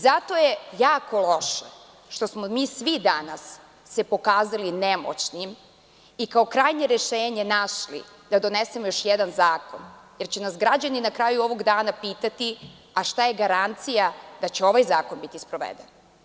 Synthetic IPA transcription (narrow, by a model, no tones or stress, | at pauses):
zat̪o̞jejaːko̞lo̞ʃa | ʃt̪o̞smomiːsʋid̪anasː | epo̞kaːzalinemo̰t͡ɕnim | ikao̞kɾajɲe̞ɾeʃeːɲe̞naʃlḭ | d̪̥ad̪o̞nesemojo̞ʃjɛd̪anzaːkonjeɾt͡ɕenasɡɾad͡ʑaninakɾaːjuo̞ʋo̞ɡd̪aːnapiːt̪at̪i | aʃt̪ajeɡaɾant̪sijad̪̥at͡ɕeo̞ʋajzaːko̞nbit̪ispɾo̞ʋḛd̪en